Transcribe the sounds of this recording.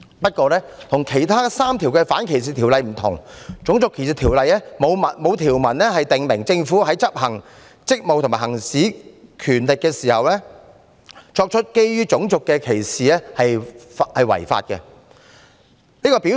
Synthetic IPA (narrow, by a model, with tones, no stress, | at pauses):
pɐ˥t̚kʷɔː˧lɛː˥t̪ʰʊ˨˩ŋkʰe˨˩jt̪ʰaː˥saː˥mt̪ʰiː˨˩wkɛː˧faː˨˥nkʰe˨˩js̬iː˨t̪ʰiː˨˩wlɐ˨˧jm̩˨˩t̪ʰʊ̰˨˩ŋt͡sʊ˨˥ŋt͡sʊ˨kʰːe˨˩js̬i˨˧t̪ʰiː˨˩wlɐ˨jlɛː˥mo˨˧wmɐ˨mo˨˧wt̪ʰiː˨˩wmɐ˨˩nlɛː˥hɐ˨jt̪ɪ˨ŋmɪ˨˩ŋt͡sɪ˧ŋfuː˨˥ɦɐ˨˥jt͡sɐ˥p̚hɐ˨˩ŋ | t͡sɪ˥k̚mo˨˧wt̪ʰmaː˨˩hɐ˨˩ŋsiː˨˥kʰyː˨˩nlɪ˨kːɛː˧siː˨˩hɐ˨wlɛː˥ | t͡sɔː˧k̚t͡ʃʰɵ˥t̚ke˥jɥyː˥t͡sʊ˨˧˥ŋt͡sʊ˨kːɛː˧kʰe˨˩jsiː˨˧lɛ˥hɐ˨jhɐ˨jwɐ̰˨˩jfa̰ː˧t̚kɛ̰˧ | niː˥kɔː˧pi˨˥